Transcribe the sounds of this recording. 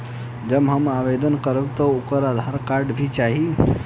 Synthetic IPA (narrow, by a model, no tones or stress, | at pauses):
d͡ʒəbɦəmaʋed̪ənkəɾəbt̪əukəɾad̪ʱaɾkaɾɖbʱit͡ʃaɦi